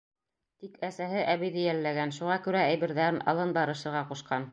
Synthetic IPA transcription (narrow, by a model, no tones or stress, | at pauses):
t̪ikʰæsæɦɘʔæβijðɘjælːæɡænʃuʁɑkʉɾææjβɘ̆ɾðæɾɘnʔɑ̰lˠɤnbɑɾɤ̆ʃɤ̆ɾʁɑquʃqɑn